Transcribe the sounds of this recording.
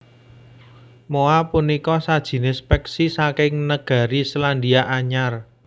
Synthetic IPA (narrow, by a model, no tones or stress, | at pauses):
moapunikɔsad̥ʒ̥i̤nɪspɛksisakɪŋnəɡ̥a̤ɾislandiaʔaɲar